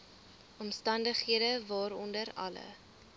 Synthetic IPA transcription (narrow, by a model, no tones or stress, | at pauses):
ʔɔmstɐndəχɦiədəvɑːɾɔndəɾɐ̰lə̰